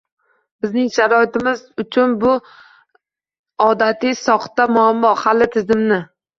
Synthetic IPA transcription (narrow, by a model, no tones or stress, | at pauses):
bɪznɪŋʃaɾɒɪt̪ɪmɪzʊt͡ʃʰʊnbʊ | ɒd̪at̪ʰɪsɒχt̪amʊamːɒhalːɪt̪ʰɪzɪmnɪ